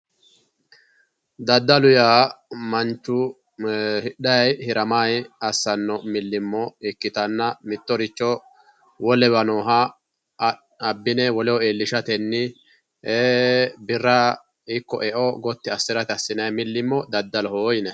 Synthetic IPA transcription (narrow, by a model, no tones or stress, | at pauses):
d̪ɐd̪ːɐlʊjaːmɐnt͡ʃːʊ | hɪɗɐjhɪɾɐmajɐsːɐnːɔmɪlːɪmːɔɪkːɪt̪ɐnːɐmɪt̪ːɔɾɪt͡ʃːɔ | wɔlɛbɐnoːɦɐ | ɐbːɪnɛwɔlɛwɔeːlːɪʃɐt̪ɛnːɪ | eːbɪrːɐ | ɪkːɔ̰ʔɛʔɔɡɔt̪ːɪɐsːɪɾɐt̪ɪɐsːɪnɐjmɪlːɪmːɔd̪ɐd̪ːɐlɔhoːjɪnɛ